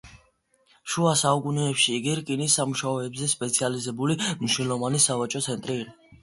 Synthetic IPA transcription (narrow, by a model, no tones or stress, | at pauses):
ʃuasaukʼunɛːpʃiːɡiɾkʼinisːamuʃaɔɛbzɛspʼɛt̪sʰializɛbulimiʃwilˠɔvanisavat͡ʃʼɔt̪sʰɛnt̪ʼɾiɾi